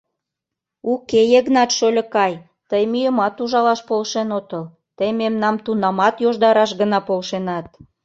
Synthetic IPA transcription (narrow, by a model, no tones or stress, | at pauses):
ukejeɣnɑt̪ʃolʲə̆kɑj | t̪əjmyjəmɑt̪uʒɑlɑʃpolʃenot̪ə̆l | t̪əjmemnɑmt̪unɑmɑt̪joʒd̪ɑɾɑʃɡənɑpolʃenɑt̪̚